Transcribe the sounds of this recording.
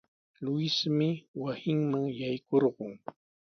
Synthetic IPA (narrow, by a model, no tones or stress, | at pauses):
lʊɪsmɪwasɪŋmaŋjajkoɾɢʊŋ